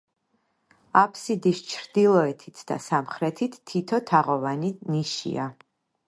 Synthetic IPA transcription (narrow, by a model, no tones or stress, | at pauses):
apʰsid̪ist͡ʃʰɾd̪ilˠɔɛt̪ʰit̪ʰd̪̥a̰samχɾɛt̪ʰit̪ʰːit̪ʰɔt̪ʰaʁɔvaniniʃḭa